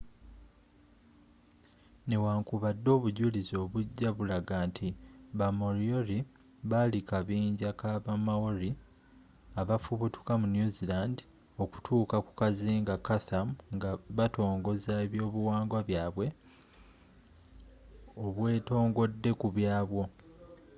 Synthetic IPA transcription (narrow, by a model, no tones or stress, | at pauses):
newaːŋkuβadːo̞ːβuɟulizo̞ːβuɟːaβulaɡaːntʰiβamoɾio̞ɾi | βalikaβiːɲɟakaβamawoɾi | aβafuβutu̥kamunjuzilandi | o̞ku̥tʰuːkaku̥kaziːŋɡakaθamŋɡaβato̞ːŋɡo̞zaeβjo̞ːβuwaːŋɡwaβjaːβwe̞ | oβwe̞ːto̞ːŋɡo̞dːe̞kuβjaːβwo̞